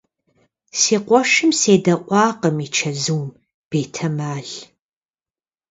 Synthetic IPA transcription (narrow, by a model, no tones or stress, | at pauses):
siːqʷɔʃɨmseːdɐʔʷʼɑːqəmit͡ʃʰɐzuːm | b̥eːtʰɐmaːɮ